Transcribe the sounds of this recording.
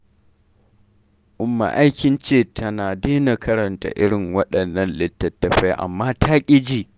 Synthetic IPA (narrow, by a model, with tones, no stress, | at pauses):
ʔʊ˦mːa̰˨ʔa˦jkʲɪ˦nt͡ʃeː˦tʰɐ˦naː˨deː˦na˨kʰɐ˦ɾɐ˨nta̰˨ʔɪ˦ɽɪ˨ŋwɐ˦ɗɐ˨nːɐ˦nlɪ˦tːɐ˨tːɐ˨ɸɛ˦jʔa̰˨mːaː˦tʰaː˦kʲʼɪ˦d͡ʒiː˦